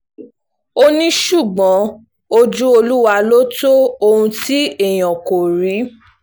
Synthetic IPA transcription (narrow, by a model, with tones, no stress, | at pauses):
o˦nĩ˦ʃu˦˨ɡ͡bɔ̃˨˦ | o˧d͡ʒu˦o˧lu˦wa˧lo˦to˦o˧ũ˧ti˦e˦˨j̃ɔ̃˨ko˨ɾi˨˦